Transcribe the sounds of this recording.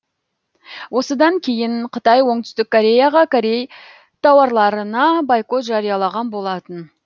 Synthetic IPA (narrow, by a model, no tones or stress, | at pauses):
wʔo̞səd̪ɑŋkʲʰe̞jɪɴqʰət̪ɑjwo̞ɴt̪ʏ̥st̪ɪkkʰːoɾʲe̞jaʁɑkʰoɾe̞j | t̪ʰɑwɑɾlˠɑɾənɑbɑjqo̞t̪ʒɑɾijɑlˠɑʁɑnbo̞lˠɑt̪ən